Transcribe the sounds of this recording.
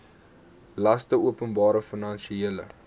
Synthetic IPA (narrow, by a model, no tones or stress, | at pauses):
lɐstəuəpənbɑːɾəfənɐnʃieələ̰